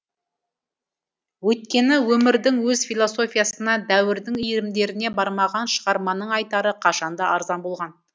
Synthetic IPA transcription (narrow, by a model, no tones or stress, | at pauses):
wɵt̪̚kʲe̞nɪwɵmɪɾd̪ɪŋwɵzfʲijlˠo̞so̞fʲijasənɑd̪æwɪɾd̪ɪŋijɾɪmd̪e̞ɾɪne̞bɑɾmɑʁɑnʃəʁɑɾmɑnəɴɑjt̪ɑɾəqʰɑʃɑnd̪ɑɑɾzɑnbo̞lˠʁɑn